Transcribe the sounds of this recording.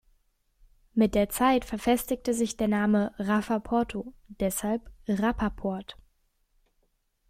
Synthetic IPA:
mɪt̚d̥eːɐt͡saɪtfɛɐfɛstɪktəzɪçd̥eːɐnaːməʁafapʰɔɐtʰod̥ɛshalpʁapʰapʰɔɐt

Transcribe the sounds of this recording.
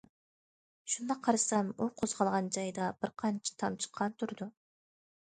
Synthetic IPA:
ʃund̪ɑqʰɑɾsɑmoqʰozʁɑlˠʁɑnd͡ʒɑjd̪ɑb̥ɪɾqʰɑnt͡ʃʰḁt̪ʰɑmt͡ʃʰə̥qʰːɑnt̪ʰʊɾd̪ʊ

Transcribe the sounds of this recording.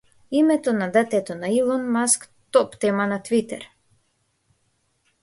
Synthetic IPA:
imɛt̪ɔnad̪ət̪ɛt̪ɔnailˠɔnmask | t̪ɔpt̪ɛmanat̪vit̪ɛ̰ɾ

